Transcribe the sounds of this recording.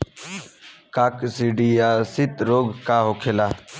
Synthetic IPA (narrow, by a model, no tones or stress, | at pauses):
kaːksiɖiaːsit̪ɾoːɡkaɦokʰelaː